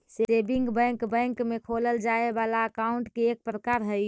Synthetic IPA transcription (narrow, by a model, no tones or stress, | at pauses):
sesebiŋɡbɛ̃ŋkbɛ̃ŋkmekʰoləld͡ʒaebalaəkaʊɳʈkeːk̚pɾəkaɾɦəj